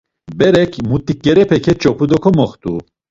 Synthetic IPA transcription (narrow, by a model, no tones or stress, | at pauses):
bɛɾɛkʰmut̪ʼik̚ɡɛɾɛpʰɛkʰɛt͡ʃʼɔpʰud̪ɔkʰɔmɔχt̪ʼu